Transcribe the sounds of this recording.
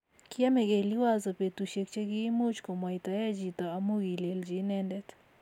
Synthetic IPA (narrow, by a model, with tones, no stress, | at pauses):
kɪa˦mɛ˨ɡe˨li˦wa˦zɔ˨pe˨t̪u˨ʃe˨k̚t͡ʃe˦ɡi˦mo˦t͡ʃko˨mwa˨ɪt̪a˨ja˦d͡ʒi˨t̪ɔ˨a˨mo˦ɡi˨le˨ld͡ʒi˦nɛndɛt̪